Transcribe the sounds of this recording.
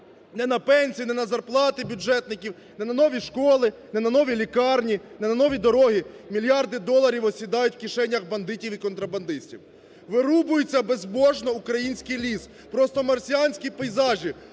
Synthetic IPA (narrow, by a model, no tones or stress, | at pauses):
nɛnɐpɛnʲsʲijinɛnɐzɐrplˠɑt̪ɪbʲʊʒɛt̪nɪkʲiw | nɛnɐnɔʋʲiʃkɔlˠɪnɛnɐnɔʋʲilʲikɑrnʲinɛnɐnɔʋʲid̪ɔɾɔɦimʲilʲjɑrd̪ɪd̪ɔlˠɐɾʲiwɔsʲid̪ɑjʊtʲwkʲiʃɛnʲːɐxbɐnd̪ɪtʲiwikɔnt̪ɾɐbɐnd̪ɪsʲtʲiw | ʋɪɾubʊjʊt͡sʲːɐbezbɔʒnɔukɾɐjinʲsʲkɪjlʲis | pɾɔst̪ɔmɐrsʲijanʲsʲkʲipɛjzɑʒʲi